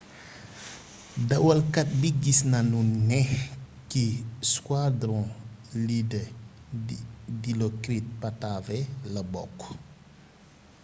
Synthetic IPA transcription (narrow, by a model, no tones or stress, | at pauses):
dɐwɐlkɐt̚biɡisnɐnunɛh | kiskwadɾɔ̃ | lidɛidilɔkɾit̚pɐtavɛlɐbɔkː